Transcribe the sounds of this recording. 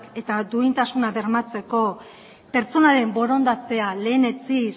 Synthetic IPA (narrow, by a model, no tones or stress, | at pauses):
ke̞t̪ad̪uint̪asunaβe̞ɾmat͡se̞ko̞ | pe̞ɾt͡so̞naɾe̞mbo̞ɾo̞nd̪at͡se̞ale̞ːne̞t͡si